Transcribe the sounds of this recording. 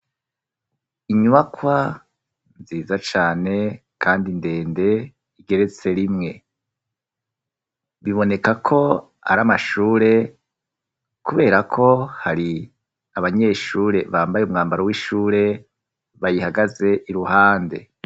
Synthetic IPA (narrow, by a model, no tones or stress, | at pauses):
iɲuβakwa | nziːzat͡ʃaːne̞kʰaːndinde̞ːnde̞ | iɡe̞ɾe̞t͡se̞ɾimŋe̞ | βiβo̞ne̞kakʰo̞ | a̰ɾamaʃuːɾe̞ | kuβe̞ːɾakʰo̞haɾi | aβaɲe̞ːʃuːɾe̞βaːmbajeumŋaːmbaɾowiʃuːɾe̞ | βajihaɡaze̞ʔiɾuɦaːnde̞̰